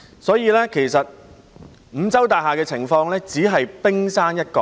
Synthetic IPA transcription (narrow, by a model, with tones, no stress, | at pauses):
sɔː˨˥jiː˧lɛː˥kʰe˨˩jsɐ˨t̚ | m̩˨˧t͡sɐ˥wt̪aː˨ɦaː˨kɛː˧t͡sʰɪ˨˩ŋfɔː˧ŋlɛː˥t͡siː˨˥ɦɐ˨jpɪ˥ŋsaː˥njɐ˥t̚kɔ˧